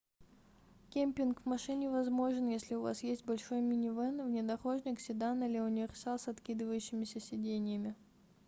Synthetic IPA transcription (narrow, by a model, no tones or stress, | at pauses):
kʲemʲpʲɪnkvmɐʂɨnʲɪvɐzmo̞ʐɨnjesʲlʲɪʊva̰sjesʲt̚ʲbɐlʲʂo̞jmʲɪnʲɪvɛnvnʲɪd̪ɐxo̞ʐnʲɪksʲɪd̪anəlʲɪʊnʲɪvʲɪrsalˠsɐt̪kʲid̪ɨvəjʉɕːɪmʲɪsʲəsʲɪdʲenʲɪjəmʲɪ